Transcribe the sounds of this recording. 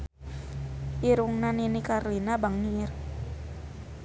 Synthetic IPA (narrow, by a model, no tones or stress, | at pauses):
ʔiɾuŋnaninikarlinabaŋniɪr